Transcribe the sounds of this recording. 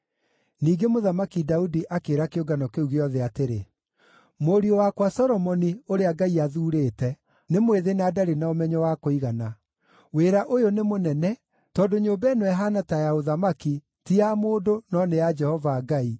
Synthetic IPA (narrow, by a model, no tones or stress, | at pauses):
niːɡemoðamakidaudiʔakeːɾakeoɡanɔkeuɣeɔðɛateɾe | moɾiɔwakwasɔɾɔmɔnioɾeaɡaiaðuːɾeːtɛ | nemweðenaːdaɾenaomɛɲɔwakoiɣana | weɾaʔojonemonɛnɛ | tɔːdoɲoːmbɛnwɛɦanatajaoðamaki | tiamoːdonɔnead͡ʒɛhɔvaɡai